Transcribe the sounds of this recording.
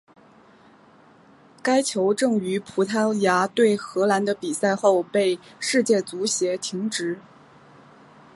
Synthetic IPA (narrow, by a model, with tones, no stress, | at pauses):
ka˥ɪt͡ɕʰjo˧˥ʊʈ͡ʂɤ˥˩ŋy˧˥pʰu˧˥t̪ʰa˥lja˧˥t̪we˥˩ɪxɤ˧˥la˧˥nd̪ə˧pi˨˩sa˥˧ɪxo˥˧ʊpe˥˧ɪʂɻ̩˥˧t͡ɕjɛ˥˩t͡su˧˥ɕjɛ˧˥t̪ʰi˧˥ŋʈ͡ʂɻ̩˧˥